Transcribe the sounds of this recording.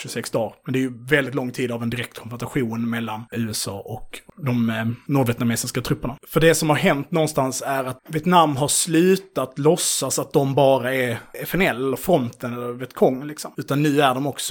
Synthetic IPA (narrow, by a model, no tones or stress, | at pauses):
ʃɵsɛksd̪ɑːɾmɛnd̪ɛæɾjɵvɛld̪ɪt̪lɔŋːt̪ʰiːd̪avɛnd̪ɪɾɛk̚t̪kʰɔnvæsaɧuːnmɛlːanʉ̟ːɛsɑ̰ːʔɔkd̪ɔmnuːɖvɛt̪nameːsɪskat̪ʰɾɵpːəɳafœɖɛsɔmhaɾɦɛnt̪nɔnst̪ansæɾat̪viɛt̪namːɦaɾslʉ̟ːt̪at̪lɔsːasat̪̚d̪ɔmbɑːɾaɛɾɛfɛnɛlːɛlːəɾfɾɔnt̪ənɛlːəɾvɛt̪kʰɔŋːlɪksɔmʉ̟ːt̪anːʉ̟ːæɖɔmɔksɔ